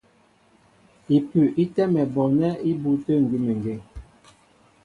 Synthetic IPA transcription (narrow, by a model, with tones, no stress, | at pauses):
i˨pʉ˨ʔi˦tɛ˦mɛ˨bɔ˨nɛ˦i˦bu˦tə˦˨ŋ̩˨ɡi˦me˨ŋ˨ɡe˨